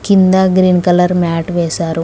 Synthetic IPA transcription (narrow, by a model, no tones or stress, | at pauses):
kind̪ɐɡɾiːnkɐlɐɾmaːʈʋɛːsaːɾu